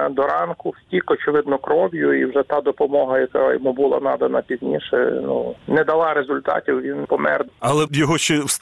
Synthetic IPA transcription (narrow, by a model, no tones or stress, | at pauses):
d̪ɔɾɑnkʊwsʲtʲikɔt͡ʃɪʋɪd̪nɔkɾɔʋʲjʊiwʒɛt̪ɑd̪ɔpɔmɔɦɐjɐkajɔmubʊlˠɑ̰nɑd̪ɐnɐpʲizʲnʲiʃɛ̰nunɛd̪ɐlˠɑɾezʊlʲt̪ɑ̰tʲiwʋʲinpɔmɛ̰rd̪ɐlˠɛjɔɦɔʃt͡ʃɛws